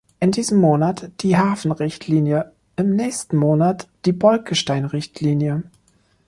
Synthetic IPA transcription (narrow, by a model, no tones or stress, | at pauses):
ʔɪndiːzəmːoːnatd̥iːɦaːfn̩ʁɪçtʰliːnjə | ʔɪmnɛːçstn̩moːnatd̥iːbɔlkəʃtaɪnʁɪçtʰliːnjə